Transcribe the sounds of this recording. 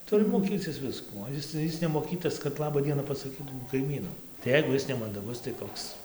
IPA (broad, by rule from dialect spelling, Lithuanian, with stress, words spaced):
ˈtʊrʲɪ moːˈkʲiːt͡sʲɪs ˈʋʲɪskuː ˈoː ɪs ˈɪs nʲɛmoːˈkʲiːtɐs kɐt ˈlˠɑːbɐ ˈdʲiɛnɐ pɐsɐˈkʲiːtuː kɐɪˈmʲiːnʊ tɐɪ ˈjɛɪɡʊ ˈjɪs nʲɛmɐndɐˈɡʊs tɐɪ ˈkoːks